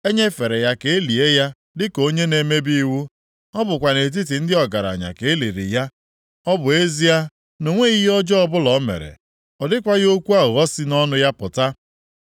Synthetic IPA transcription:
e˦ɲe˦fe˨ɾe˨ja˦ke˨e˦li˨e˦ja˦ | dɪ˦ko˦ɲe˦ne˨me˦bi˦wu˦ | ɔ˦bʊ˨kʷa˨ne˨t̬i˦t̬i˨n̩˦dɪ˦ɔ˨ɡa˨ɾa̰˨ɲa̰˨ke˨e˦li˨ɾḭ˨ja˦ | ɔ˦bʊ˨e˦zi˦a˦ | no˨ŋʷe˦i˦ɦi˦ɔ˦d͡ʒɔ˦ɔ˦bʊ˦lɔ˨˦mḛ˨ɾḛ˨ | ɔ˨dɪ˦kʷa˦jo˦kʷu˦a˦˨ɣɔ˦sɪ˦nɔ˦nʊ˦ja˦pʊ˨ta˦

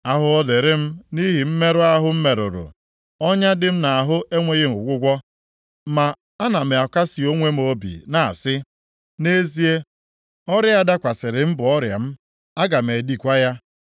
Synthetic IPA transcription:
a˦ɦʊ˦ɔ˦le˨ɾɪ˦m̩˦ni˦ɦi˨m̩˦me˦ɾʊ˦a˦ɦʊ˦m̩˦me˨ɾʊ̰˨ɾʊ̰˨ | ɔ˦ɲa˦dɪ˦m̩˦na˨a˨ɦʊ˦ʔe˦ŋʷe˦ɣe˦m˨ʊ̰˨ɡʷʊ˦ɡʷɔ˦ | ma˨ | a˦na˨me˨a˨ka˦si˨o˦ŋʷe˦m̩˦o˦bḭ˨na˨a̰˨sɪ˦ | ne˦zi˦e˦ | ɔ˦ɾja˦a˦da˦kʷa˨sɪ˨ɾɪ˨m̩˦bʊ˨ɔ˦ɾja̰˨m̩˦ | a˦ɡa˨m̩e˨di˦kʷa˦ja˦

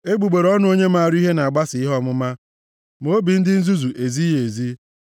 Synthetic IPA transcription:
e˦ɡ͡bu˨ɡ͡be˨ɾɔ˦nʊ˦o˦ɲe˦ma˦˨a˨ɾi˦ɦe˦na˨a˨ɡ͡ba˦sɪ˨i˦ɦɔ˦mʊ˦ma˦ | mo˨˦bi˨n̩˦dɪ˦n̩˦zu˦zu˨ʔe˨zi˦je˨zi˦

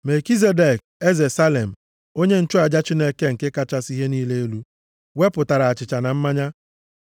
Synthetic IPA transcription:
me˨ki˦z̬e˦de˨k̚e˦ze˨sa˦le˨m̩˨ | o˦ɲe˦n̩˦t͡ʃʊ˦a˨d͡ʒa˦t͡ʃi˦ne˦ke˦ŋ̩˨ke˦ka˦t͡ʃa˦si˦ɦe˦niː˦le˦e˦lu˦ | we˦pʊ˨ta˨ɾa˨a˨t͡ʃɪ˨t͡ʃa˨na˨m̩˦ma˦ɲa˦

